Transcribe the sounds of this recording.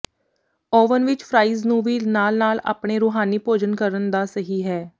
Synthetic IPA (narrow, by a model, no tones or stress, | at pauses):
ɔːʋənʋɪt͡ʃpʰɾaːiːznũːʋiːnaːlnaːla̰ːpɳeːɾʊːɦaːniːpoːd͡ʒənkəɾənd̪aːsəɦiːɦɛː